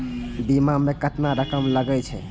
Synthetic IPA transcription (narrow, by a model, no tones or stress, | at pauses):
bimãmekəʈnaɾəkəmləɡɛt͡ʃʰɛ̰